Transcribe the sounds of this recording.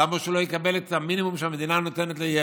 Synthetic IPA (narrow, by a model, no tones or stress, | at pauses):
amoʃelojekabelet̪aminimumʃeamed̪inano̞t̪enet̪lee